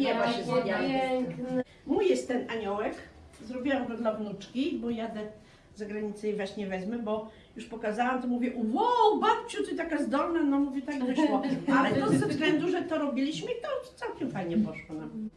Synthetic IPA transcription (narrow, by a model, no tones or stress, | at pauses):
ɲɛaɛɛŋkn | mujɛst̪ːɛnaɲɔwɛk | zɾɔbʲiwamɡ̪ɔd̪lavnut͡ʂkʲibɔjad̪ɛ | zaɡɾaɲit̪sɨvaɕɲɛvɛzmɛbɔ | juʂpɔkazawamt̪ɔmuvʲjɛʔwɔbap̚t͡ɕut̪ɔt̪akazd̪ɔlnanɔmuvʲjɛt̪aɡd̪ɔɕwɔalɛnɔzvvzɡlɛnd̪uʐɛt̪ɔɾɔbʲilʲiɕmɘit̪ɔt̪sawkʲɛmfajɲɛpɔʂwɔnam